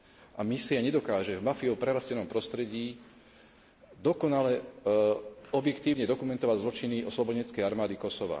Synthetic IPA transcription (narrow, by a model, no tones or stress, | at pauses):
ʔamisiaɲɛd̪ɔkaːʒɛvmafiɔpɾɛɾascɛnɔmpɾɔst̪ɾɛɟiː | d̪ɔkɔnalɛ | ɔbjɛkt̪iːʊɲɛd̪ɔkumɛnt̪ɔʋaɟzlɔt͡ʃiniɔslɔbɔɲɛt͡skɛjaɾmaːd̪ikɔsɔʋa̰